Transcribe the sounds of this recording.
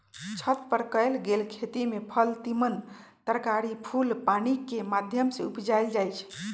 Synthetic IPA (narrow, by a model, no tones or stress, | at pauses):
t͡ʃʰət̪pəɾkəɪlɡelkʰet̪imepʰəlt̪imən | t̪əɾkaɾipʰulpanikemad̪ʱjəmseupd͡ʒajld͡ʒajt͡ʃʰ